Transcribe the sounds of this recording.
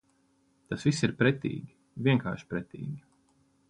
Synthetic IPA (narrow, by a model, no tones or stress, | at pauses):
t̪asvisiɾpɾɛt̪ḭːɡʲi | viɛŋka̰ːɾʃpɾɛt̪ḭːɡʲi